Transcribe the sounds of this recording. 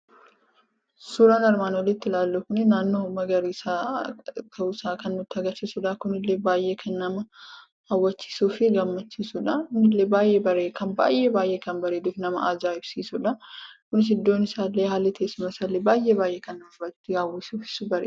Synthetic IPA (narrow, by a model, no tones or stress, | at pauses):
suːɾaːnɐɾmaːnoːlːɪt̪ːɪlaːlːuːkʊnɪnaːnːo̞ːmɐɡɐɾiːsaːt̪ʰɐusaːkɐnːʊt̪ːɪɐɡɐɾt͡ʃːiːsʊᶑɐkʊnɪlːeːbaːjʔe̞ːkʰɐnːɐmɐ | ɐwːɐt͡ʃːi̥ːsuːfɪɡɐmːɐt͡ʃːiːsʊᶑɐkʊnɪlːe̞ːbaːjʔe̞ːbɐɾeːkɐnba̰ːjʔeːbaːjʔe̞ːkɐnbɐɾeːd̪uːfnɐmɐʔaːd͡ʒaːɪbsiːsʊᶑɐkʊnɪs̬ɪd̪ːo̞ːnɪsaːlːeːhaːlːɪt̪ʰeːsɪmɐɪsaːlːeːbaːjʔe̞ːbaːjʔeːkɐnɐbɐawɪsuːfɪ̥sʊbɐɾeː